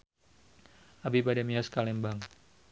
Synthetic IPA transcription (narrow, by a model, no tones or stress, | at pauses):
ʔabibadɛmiɔskalɛmbaŋ